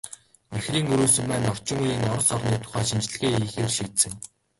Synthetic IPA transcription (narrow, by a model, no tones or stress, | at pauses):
æxriːŋɵɾuːsɵ̆mpæːnɔr̥t͡ɕɪ̆ŋujiːŋɔɾɞ̆sɔrniːt̪ʰʊ̥χæːʃint͡ɕ̆ɮɘ̆ɣeːiːxeːrʃiːt̪sɘ̆ŋ